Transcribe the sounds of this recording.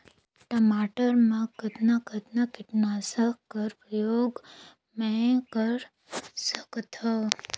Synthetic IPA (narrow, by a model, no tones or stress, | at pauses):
ʈəmaʈəɾmãkət̪naɡʱət̪nakiʈnasəkːəɾpɾəjoɡ | mekəɾ | səkt̪ʰə